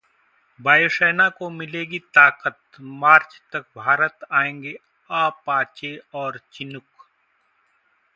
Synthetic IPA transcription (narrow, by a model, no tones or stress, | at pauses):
baːjoʃɛːnakomɪleːɡit̪aːqət̪maːɾt͡ʃt̪ɐk̚bʱaːɾət̪aːẽːŋɡe | aːpaːt͡ʃeɔːɾt͡ʃɪnʊk